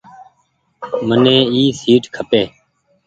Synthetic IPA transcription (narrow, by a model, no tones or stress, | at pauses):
mənẽːiːsiːʈkʰəpeː